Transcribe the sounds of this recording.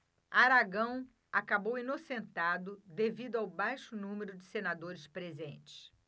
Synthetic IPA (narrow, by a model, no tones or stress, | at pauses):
aɾaɡɐ̃w̃ | akabowinosẽnt̪ad̪ʊd̪evid̪ʊawbajʃʊnũmeɾʊd͡ʒɪsenad̪oɾɪspɾezḛ̃nt͡ʃɪ̥s